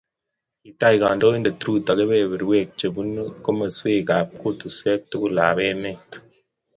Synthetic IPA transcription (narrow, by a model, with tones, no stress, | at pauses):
i˨ta˦˨i˨ka˨ndo˦i˦nde˨tɾu˦ta˨ke˦be˦˨βi˨ɾwe˦˨k̚t͡ʃe˨bu˦n˦ko˦mə˨swe˦ka˨p̚ko˦tu˨swe˦k̚tu˦ku˦˨la̰˨be˦me˦˨t